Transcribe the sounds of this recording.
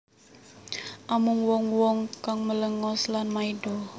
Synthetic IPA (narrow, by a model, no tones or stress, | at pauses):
ʔamuŋwɔŋwɔŋkaŋmələŋɔslanmaidɔ